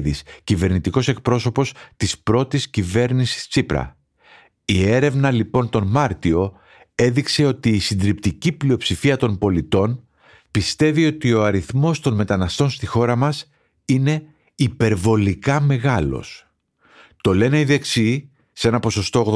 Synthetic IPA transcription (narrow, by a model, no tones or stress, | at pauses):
ðiscive̞ɾnit̪iko̞se̞k̚pɾo̞so̞po̞st̪ispɾo̞t̪iscive̞ɾnisi̥st͡sipɾɐ̰ | ie̞ɾe̞vnɐlipo̞nt̪o̞nmɐɾt̪io̞ | e̞ðikse̞o̞t̪iːsind̪ɾipt̪iciplio̞psifiɐt̪o̞nbo̞lit̪o̞n | pist̪e̞vio̞t̪io̞ɐɾiθmo̞st̪o̞nme̞t̪ɐnɐst̪o̞nst̪ixo̞ɾɐmɐs | ine̞ | ipe̞ɾvo̞likɐme̞ɣɐlo̞̰s | t̪o̞le̞ne̞iðe̞ksi | se̞nɐpo̞so̞st̪ooɣð